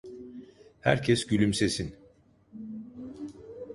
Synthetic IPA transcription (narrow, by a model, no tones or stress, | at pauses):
hæ̰ɾcʰɛsɟylʲymsesin